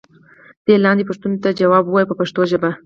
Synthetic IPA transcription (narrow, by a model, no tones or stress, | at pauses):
d̪̥elɑnd̪epʊʂt̪unt̪ad͡ʒawɑbwɑjpəpaʂt̪oʒəba